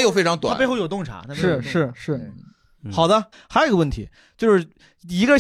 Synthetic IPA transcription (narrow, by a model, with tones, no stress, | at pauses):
jo˨˩ʊfe˥˩ɪʈ͡ʂʰɑ˥ŋt̪wa̰˨˥˩pxo˥˧ʊjt̪ʊ˥˩ŋʈ͡ʂʰa̰˧˥na˥˧˩ʂɻ̩˥˩ʂɻ̩˥˩ʂɻ̩˥˩ | xɑ˨˩ʊd̪ə˦ | xa˧˥ʂo˥˩˧ə˧wə˥˩nt̪ʰḭ˧˥ | t͡ɕjo˥˧ʊʂɻ̩˥˩ | i˧˥ɡə˧